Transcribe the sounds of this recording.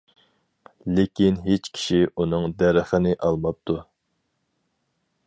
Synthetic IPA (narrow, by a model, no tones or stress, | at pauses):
lɪkʲinɦet͡ʃkʲʰi̥ʃiunɨŋd̪æɾəχənɪʔɑlˠmɑp̚t̪ʰu